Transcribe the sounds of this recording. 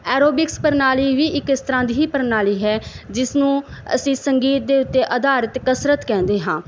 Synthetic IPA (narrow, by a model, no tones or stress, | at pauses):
ɛːɾoːbɪkspəɾnaːliːʋiːɪkɪst̪əɾãːd̪iːiːpəɾnaːliːɦɛːd͡ʒɪsnũːə̰sĩːsəŋɡiːt̪̚d̪eːʊt̪ːeːʔəd̪aːɾət̪kəsɾət̪kɛ̃ːnd̪eːɦãː